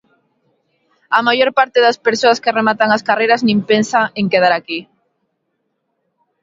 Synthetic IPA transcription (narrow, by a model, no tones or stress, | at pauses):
amajoɾpaɾt̪eðaspeɾsoaskɪremat̪aŋaskarejɾaznĩmpensaeŋkeðaɾaki